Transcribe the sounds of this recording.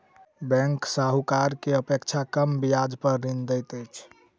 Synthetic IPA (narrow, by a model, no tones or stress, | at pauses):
bɛ̃ŋksaɦukaɾkeəpekt͡ʃʰakəmbijad͡ʒpəɾːind̪əjt̪əjt͡ʃʰ